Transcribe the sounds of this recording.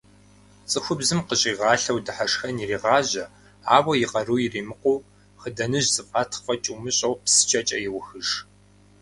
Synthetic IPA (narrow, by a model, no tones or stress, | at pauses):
t͡sʼɨxʷʊbzɨmqəɕʼiːʁɑːɬɐwdɨħaʂxɐniriːʁɑːʑɐ | aːwɐjɪʁɐruːjɪriːmɨqʷuː | χədɐnɨʑzʼɨfʼatʰfɐt͡ʃʼuːmɨɕʼɐwpsɨ̥t͡ʃʼɐt͡ʃʼɐjɪwʊxɨʂ